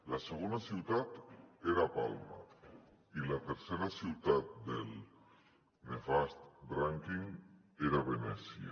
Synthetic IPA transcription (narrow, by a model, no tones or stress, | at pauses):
laseɣ̞onasiwt̪at̪eɾapalma̰ | ilat̪eɾseɾasiwt̪at̪̚d̪el | nefast̪bɾaŋkiŋ | eɾaβenɛsja̰